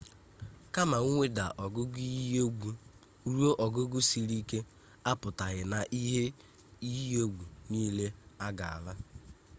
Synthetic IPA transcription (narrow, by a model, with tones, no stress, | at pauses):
ka˦ma˨ŋ̩˦ŋʷe˦da˨ʔɔ˨ɡʊ˦ɡi˦o˦ɡʷu˦ | ɾu˦o˦ʔɔ˨ɡʊ˦ɡʊ˦si˨ɾi˦ke˦ | a˦pʊ˨ta˨ɣɪ˨na˨ʔi˦ɦe˦ | i˦o˦ɡʷu˨niː˦le˦a˦ɡa˨a̰˨la˦